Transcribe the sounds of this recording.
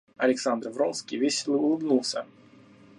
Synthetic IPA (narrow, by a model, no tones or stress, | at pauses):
ɐlʲɪksand̪rvɾonskʲijvʲesʲɪlˠʊlˠɨbnulˠsʲə